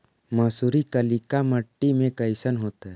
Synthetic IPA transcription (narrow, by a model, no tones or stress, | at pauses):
mɐːsuːɾikəlikaməʈːimẽkəɪsənɦoːt̪ɛ